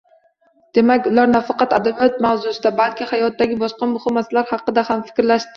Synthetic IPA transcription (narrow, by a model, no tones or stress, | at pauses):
d̪̥e̞makʲʊlaɾnafɑqɑt̪ad̪abijɒt̪̚mawzʊsɪd̪abalkʲʰɪhajɒt̪̚ːaɡʲɪbɒʃqɑmʊhɪmːaslaɾhɑqːɨd̪ahamfɪ̥kʲɾlaʃt̪ɪ